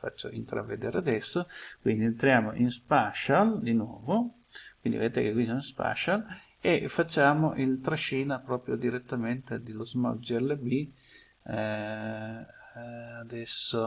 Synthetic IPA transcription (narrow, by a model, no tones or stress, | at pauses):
fa̰t͡ʃːo̰int̪ɾa̰vːed̪eːɾead̪ɛsːokwind̪ient̪ɾjaːmoʔinspaʃald̪inwɔ̰ːvo | kwind̪ḭvet̪ekekwisoinspa̰t͡ʃal | efːat͡ʃːaːmoʔilt̪ɾaʃːiːnapɾɔːpɾjod̪iɾet̪ːament̪ed̪elozma̰d͡ʒɛlbi | ad̪ɛsːo